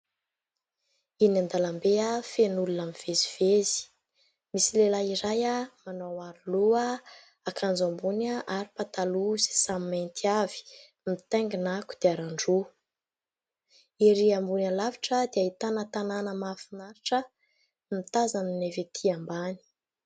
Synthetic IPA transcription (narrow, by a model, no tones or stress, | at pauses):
inand̪alambeafenulunamiv̥eziv̥ezi̥ | misilelaiɾajamanowaɾuluə | akʰand͡zambunaʔaɾipat̪aluz̥i̥samimajnt̪ʰiavi̥ | mit̪eŋɡinaku̥d̪̥eaɾaɳɖ͡ʐu | iɾiambunalaviʈ͡ʂəd̪eait̪anət̪ananəmafinaɾiʈ͡ʂə | mit̪azaninevet̪ʰiambani̥